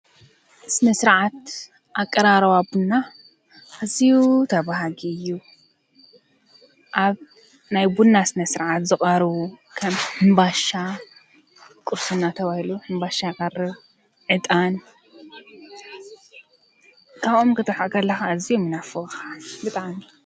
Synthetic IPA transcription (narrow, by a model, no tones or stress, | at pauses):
sɨnɐsɨɾʕat̪ | ʔakʼːɐɾaɾɐwabunːa | ʔːzijut̪ʰɐβaɦaɡiɨjːu | ʔaβ | najbunːasɨnɐsɨɾʕat̪zɨχʼɐɾβukʰɐmħɨmbaʃa | kʼuɾsunːat̪ʰɐβahiluħɨmbaʃajɪkʼɐrɨβ | ʕɨt̪ʼan | kʰaβomkɨt̪ʰɐħaʔkʰɐlːɐxaːzijomɨnafɨɣxabɨt̪ʼaʕmi